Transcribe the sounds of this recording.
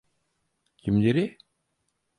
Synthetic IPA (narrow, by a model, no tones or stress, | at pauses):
kimd͡ʑeɾi